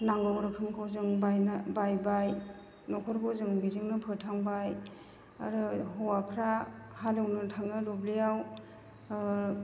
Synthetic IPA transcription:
naŋɡɔwɾɯkʰɯmkʰowzɯŋbajnabajbaj | nɔkʰɔɾkʰowzɯŋbizɯŋnɯpʰɯtʰaŋbaj | a̰ɾɯɦɔwapʰɾahalɯwnɯtʰaŋɯɾublijaw

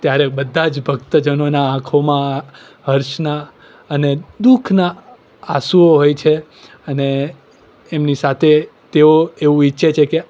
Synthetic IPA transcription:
t̪jaɾebəd̪ʱːãd͡ʒbʱəɡ̚t̪əd͡ʒənonaãkʰomã | ɦəɾʃna | əned̪ukʰna | asuoɦojt͡ʃʰe | əneː | mnisat̪ʰet̪eoeʋũiːʃet͡ʃʰeke

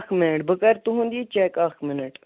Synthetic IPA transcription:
kʰmɪnəʈ̚bəkɐɾt̪uɦũnd̪it͡ʃɛːkakʰmɪnəʈ

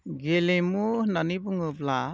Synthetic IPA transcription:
ɡelemuhnanibɯŋɯbla

